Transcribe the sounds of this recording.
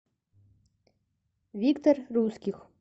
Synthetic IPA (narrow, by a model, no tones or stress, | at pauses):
vʲikt̪orruskʲix